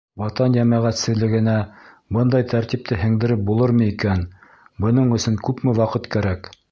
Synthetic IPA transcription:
wɑt̪ɑnjæmæʁæt̪sɘ̆ðlɘ̆ɡɘ̆næ | bɤnd̪ɑjt̪ʰæɾt̪ip̚t̪ʰɘɦɘ̆ŋd̪ɘ̆ɾɘp̚bulˠɤɾmɤikæn | bɤ̆nɤɴɵ̆sɵŋkʉpmɘwɑqɤt̪kæɾæk

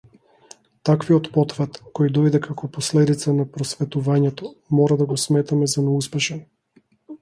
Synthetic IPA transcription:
t̪akviɔt̪pɔt̪vɛt̪kɔjd̪ɔjd̪ɛkakɔpɔslɛd̪it̪sanapɾɔsvɛt̪uvaɲɛt̪ɔmɔɾad̪aɡɔsmɛt̪amɛzanɛuspɛʃɛn

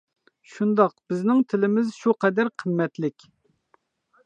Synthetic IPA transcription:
ʃund̪ɑqb̥ɪznɪŋt̪ʰɪlɪmɪzʃuqʰɛd̪æɾqʰəmːɛt̪lɪkʲ

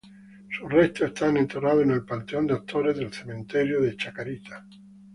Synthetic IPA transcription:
surest̪oest̪ʰanẽnt̪eraðoenelpant̪eond̪at̪ʰːoɾezðelθemẽnt̪eɾjoðet͡ʃakaɾit̪ḁ

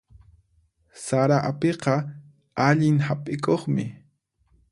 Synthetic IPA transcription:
saɾaʔapeqɑ | aʎɪŋhapʼɪkoχmɪ

